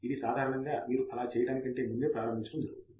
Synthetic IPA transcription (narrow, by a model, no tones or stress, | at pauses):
id̪isaːd̪ʱaːɾɐɳɐŋɡaːmiːɾuɐlaːt͡ʃɛːjɐɽaːnikɐɳʈe̞ːmund̪eːpɾaːɾɐmbʱiɲt͡ʃːut̪und̪i